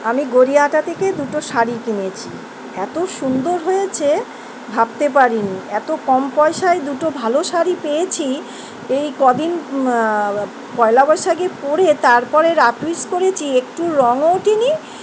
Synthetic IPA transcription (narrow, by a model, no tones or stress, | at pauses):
amiɡoɾiaʈat̪ʰeked̪uʈoʃaɾikinet͡ɕʰi | ɛt̪oʃund̪oɾɦojet͡ɕʰe | bʱab̚t̪ep̬aɾiniɛt̪okɔmpɔeʃaed̪uʈobʱaloʃaɾipejet͡ɕʰi | ejkɔd̪ʱin | pɔelabɔʃaɡepoɾet̪aɾpɔɾeɾapɾiskoɾet͡ɕʰiekʈuɾɔŋoʈini